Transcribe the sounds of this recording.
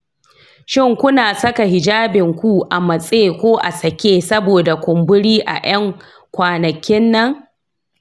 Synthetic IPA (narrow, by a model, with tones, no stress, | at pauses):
ʃɪ˦˨ŋkʷʊ˦naː˨sɐ˦ka˨ɦɪ˨d͡ʒaː˦bɪ˨ŋkʷu˦ʔa˨mɐ˨sʼeː˦kʷoː˦ʔa̰˨sɐ˨kʲeː˦sɐ˦boː˨da˨kʷʊ˨mbʊ˦ɽiː˦ʔa̰˨j̰ɐ˦ŋ | kʷaː˨nɐ˨kʲɪ˦nːɐ˦ŋ